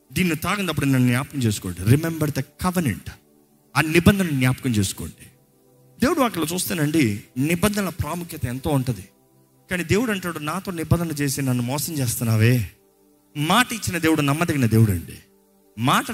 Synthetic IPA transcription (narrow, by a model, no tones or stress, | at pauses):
d̪iːnːit̪aːɡɐnd̪ɐp̬ːuɽunɐnːunjaːpɐkɐmt͡ʃe̞ːsu̥koːɳɖiɾimembɐɾd̪ɐkɐʋɐnḛɳʈ | aːnibɐnd̪ʱɐnɐunjaːpɐkɐmt͡ʃe̞ːsu̥koːɳɖi | d̪e̞ːwuɽuʋaːkɐloːt͡ʃuːst̪und̪ɐɳɖinibɐnd̪ɐɐlɐpɾaːmukʰjɐt̪ɐent̪o̞ːuɳʈund̪i | kaːniːd̪eːwuɽɐɳʈaːɽunaːt̪o̞ːnibɐnd̪ʱɐnɐt͡ʃe̞ːsinɐnːumɔːsɐmt͡ʃeːst̪unːaːʋe̞ː | maːʈɐit͡ʃːinɐd̪eːwuɽunɐmːɐd̪ɐɡinɐd̪e̞ːwuɽɐ̰ɳɖḭ | maːʈɐ